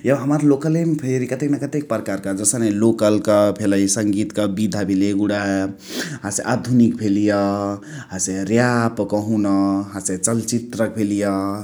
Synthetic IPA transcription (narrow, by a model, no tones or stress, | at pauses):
jebɦəməɾlokəlempʰeɾikət̪ekmekət̪ek̚pɾəkaɾkad͡ʒəsənelokəlkəpʰeləjsəŋɡit̪kəbid̪ʱabʱeleɡuɽa | ɦãseʔad̪ʱunik̚pʰelijʌ | ɦãseɾjapkəɦunʌɦãset͡ʃəlt͡ʃit̪ɾək̚bʰelijʌ